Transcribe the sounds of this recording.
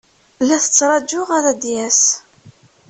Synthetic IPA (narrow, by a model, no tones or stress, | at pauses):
læθə̥t͡sːɾˤɑd͡ʒːʊʁæðæd̪jæs